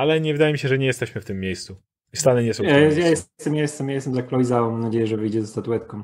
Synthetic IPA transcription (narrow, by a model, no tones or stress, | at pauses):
alɛɲɛvɘd̪ajɛmʲiɕɛʐɛɲɛjɛst̪ɛɕmɘft̪ɘmːʲjejst̪su | ist̪anɘɲɛsɔ̃wjajɛst̪st̪ɛmjajɛst̪ɛmjajɛst̪ɛmzaklɔjzaɔmamnad͡ʑejɛʐɛvɘjd͡ʑɛzɛst̪at̪uɛt̪kɔ̃m̃